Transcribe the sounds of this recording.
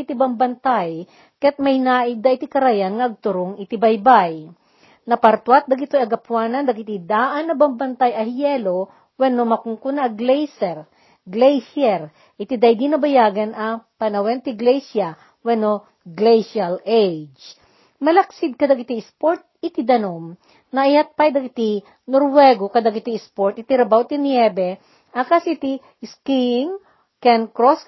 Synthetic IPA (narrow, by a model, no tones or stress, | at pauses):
ɪt̪ibɐmbɐnt̪aj | kjat̪̚mɐjnaːʔɪd̪ɐʔɪt̪ikɐɾajanŋɐʔɐɡ̚t̪ʊɾoŋɪt̪ɪbɐjbaj | nɐpɐɾt̪wat̪̚d̪ɐɡɪt̪ojɐɡɐpwaːnɐnd̪ɐɡɪt̪id̪aːʔɐnːɐbɐmbɐnt̪ajɐhjɛlo | wɛnomɐkʊŋkʊnɐɐɡlɛjsɛɾ | ɡlɛjʃɛɾ | ʔɪt̪ɪd̪ajd̪inɐbɐjaːɡɐnʔɐpɐnɐwɛnt̪ɪɡlɛjsja | wɛno | ɡlɛjʃalejd͡ʒ | mɐlɐk̚sɪd̪̚kɐd̪akɪt̪iɪspoɾt̪̚ɪt̪ɪd̪ɐnom | nɐʔɪjat̪̚pajd̪ɐkɪt̪i | noɾwɛɡokɐd̪akɪt̪ispoɹt̪̚ɪt̪iɾɐbawt̪ɪnjɛbɛ | ʔɐkasit̪i | skiŋ | kɛnkɾos